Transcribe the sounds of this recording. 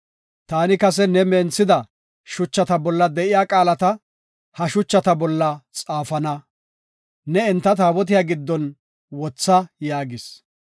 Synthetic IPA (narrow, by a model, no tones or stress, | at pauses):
t̪aːnɪkɐsɛnɛmeːnt͡sːɪd̪ɐ | ʃʊt͡ʃːɐt̪ɐbɔlːɐd̪ɛʔɪjaːkʼaːlɐt̪ɐ | hɐʃʊt͡ʃːɐt̪ɐbɔlːɐt͡sʼaːfɐnɐ | nɛɛnt̪ːɐt̪aːwɔt̪̬ɪjaːɡɪd̪ːɔn | wɔt͡sːɐjaːɡɪs